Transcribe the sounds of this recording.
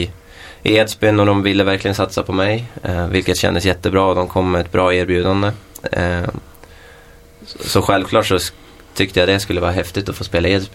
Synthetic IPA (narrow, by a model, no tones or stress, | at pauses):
ʔeːd̪spɪnːɔɖɔmvɪlːəvæɾklɪɡənsat̪sapʰɔmɛjvɪlkət̪ɕɛ̰nd̪əsjɛt̪ːəbɾɑːɔd̪ɔmkʰɔmːɛɛt̪̚bɾɑːeːɾbjʉ̟ːd̪and̪ə | sɔɧɛlvkʰlɑːʈʂɔ | t̪ʰʏk̚t̪əjad̪ɛskɵlːəvɑːɾaɦɛft̪ɪt̪ɔfoːspeːlaeːd̪sp